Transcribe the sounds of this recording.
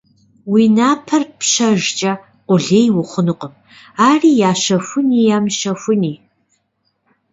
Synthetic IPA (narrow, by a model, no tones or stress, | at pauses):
wiːnaːpʰɐrpɕɐʒt͡ʃʼɐ | qʷʼʊɮeːjwʊχʷʊnɨqʼəm | aːriːjaːʃɐfʷʊniːjaːmʃɐfʷʊniː